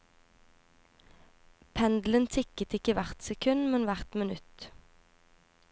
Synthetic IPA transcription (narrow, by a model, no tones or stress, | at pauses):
pʰɛnd̪l̩ənt̪ʰɪkət̪ɪkəʋæʁt̪sɛkʰʉnmɛnʋæʁt̪mɪnʉt̪